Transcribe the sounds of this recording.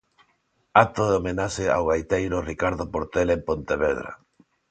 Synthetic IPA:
at̪oðeomenaʃea̰wɣajt̪ejɾorikaɾðopoɾt̪elempont̪eβeðɾa̰

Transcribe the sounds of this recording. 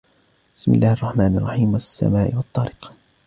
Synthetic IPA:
bɪsmɪ̰lːaːhɑrˤːɑħmaːnɑrˤːɑħiːmwasːa̰maːʔɪwɑt̪ˤːɑɾɪq

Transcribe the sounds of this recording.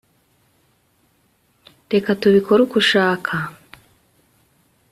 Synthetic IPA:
de̞katuβikʰoɾukuʃaːkʰa

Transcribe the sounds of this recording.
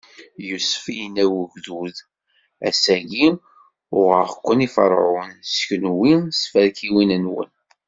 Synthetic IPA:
jusfijnæwəʝðuð | æsæɡi | ʊʁəʁkʷːənifə̰ɾˤʕʊnsçnwisfæɾkiwinənwə̰n

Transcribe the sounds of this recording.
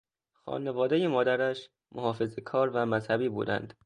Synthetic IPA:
xɒ̰ːnevɒːd̪ejemɒːd̪æɾæʃ | mʔoɦɒːfe̞zekʰɒːɾvæmæzhæbiːbṵːd̪æ̰nd̪̥

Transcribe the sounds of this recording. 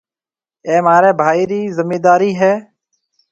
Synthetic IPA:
eːmaːɾeːbʱaːiːɾiːzɪmeːd̪aːɾiːɦɛː

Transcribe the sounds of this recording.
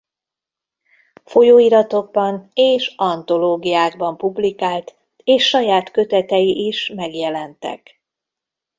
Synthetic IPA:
fo̞joːiɾɒt̪o̞ɡ̚bɒneːʃɒnt̪o̞loːɡijaːɡ̚bɒmpublikaːlt̪ | eːʃːɒjaːt̪kø̞t̪ɛt̪ɛjiʔiʃmɛɡjɛlɛnt̪ɛ̰k

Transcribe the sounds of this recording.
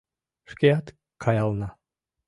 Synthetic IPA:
ʂkʲejat̪ | kʰɑjɑlˠnɑ

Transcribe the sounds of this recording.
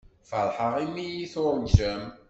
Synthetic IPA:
falħəʁimijiθoɾˤnʒəm

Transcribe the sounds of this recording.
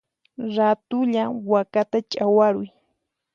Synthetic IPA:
ɾat̪ʊʎawakat̪at͡ʃʼawaɾʊj

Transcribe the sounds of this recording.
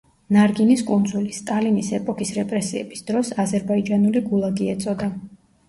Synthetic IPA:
naɾɡiniskʼund̪zulist̪ʼalinisɛpʼɔkʰisɾɛpʼɾɛsiɛ̰bisd̪̥ɾɔsazɛɾbaid͡ʒanuliɡulˠaɡiɛt̪sʼɔd̪a

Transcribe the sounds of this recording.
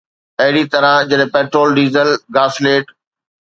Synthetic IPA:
ɐɦɪɽit̪ɐɾãd͡ʑɐɗpeːʈɾoːlɖiːzəlɡaːsleːʈ

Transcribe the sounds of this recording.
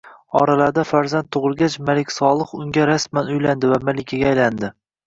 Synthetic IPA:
ɒ̰ɾalaɾd̪afaɾzant̪ʰːʊʁɨlˠɡʲat͡ʃmalɪkʲsɒlˠɨχʊŋɡʲaɾasmanʊjland̪ɪvamalɪkʲʰaɡʲaːjland̪ɪ

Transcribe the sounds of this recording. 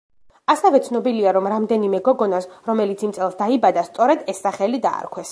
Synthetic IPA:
asɛvɛt̪sʰnɔbiliaɾɔmɾamd̪ɛnimɛɡɔɡɔnasɾɔmɛlit̪sʰimt̪sʼɛlˠsd̪aibad̪ast̪sʼɔɾɛd̪ɛsːaχɛlid̪a̰ːɾkʰwɛs

